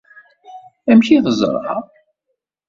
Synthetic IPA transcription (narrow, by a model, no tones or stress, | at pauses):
æmçiðəzˤɾ̰ˤhɑ̰